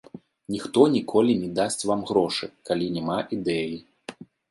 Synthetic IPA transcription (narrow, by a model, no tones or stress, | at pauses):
nʲixt̪ɔnʲikʰɔlʲinʲɛd̪asʲt͡sʲvamɣɾɔʂɨkalʲinʲɛmaʔid̪ɛji